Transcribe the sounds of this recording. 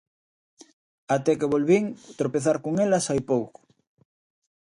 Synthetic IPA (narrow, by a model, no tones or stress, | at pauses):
at̪ɛkeβolβiŋt̪ɾopeθaɾkoŋelɐsajpowkʊ̥